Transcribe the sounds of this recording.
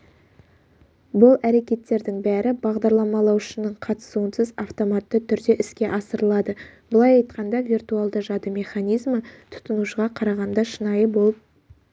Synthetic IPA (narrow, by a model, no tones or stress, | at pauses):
bʊlˠæɾe̞kʲe̞t̪ːe̞ɾd̪ɪŋbæɾɪbɑʁd̪ɑɾlˠɑmɑlˠɑwʃənəɴqʰɑt̪ə̥suənsəzɑft̪o̞mɑt̪ːət̪ʰʏɾd̪e̞ʔɪskʲe̞ʔɑsəɾəlˠɑd̪əb̥əlˠɑjɑjt̪̚qɑnd̪ɑvʲirt̪ualˠd̪əʒɑd̪əmʲe̞χɑnijzmət̪ʰʊ̥t̪ənuʃəʁɑqʰɑɾɑʁɑnd̪ɑʃənɑjəbo̞lˠəp̚